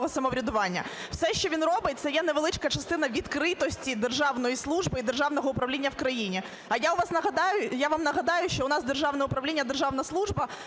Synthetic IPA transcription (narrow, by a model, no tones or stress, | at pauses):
ɦɔsɐmɔʋɾʲɐd̪ʊʋɑnʲːɐ̰ | w̥sɛʃt͡ʃɔʋʲinrɔbɪt̚ʲt̪sɐjɛnɛʋelˠɪt͡ʃkɐt͡ʃɐst̪ɪn̪ɐʋʲid̪kɾɪt̪ɔsʲtʲid̪erʒɑʋnɔjislˠuʒbɨid̪rʐʒɑʋnɔɦɔʊpɾɐʋlʲinʲːɐwkɾɐjinʲi | ɐjaʊʋɑsnɐɦɐd̪ɑjʊjaʋamnɐɦɐd̪ɑjʊʃt͡ʃɔʊnɑsd̪erʒɑwnɛʊpɾɐʋlʲinʲːɐd̪erʒɑʋnɐslˠuʒbɐ